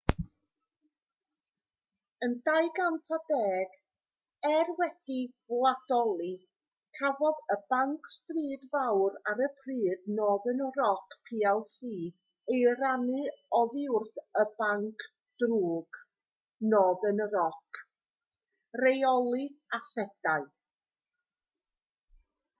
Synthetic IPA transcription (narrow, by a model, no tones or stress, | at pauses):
əndajɡantʰabɛːɡ̥ | ɛrwɛd̥ivlˠad̥ɔlˠi | kʰavɔðəb̥aŋkʰstriːdvawɾaɾəpʰriːdnɔðənərɔkʰpʰiːalˠsiː | ejɾanɨɔðɪʊrθəbaŋkʰ | d̥ruːɡ̥ | nɔːðənəɾɔkʰ | rejɔlˠiasɛd̥aɨ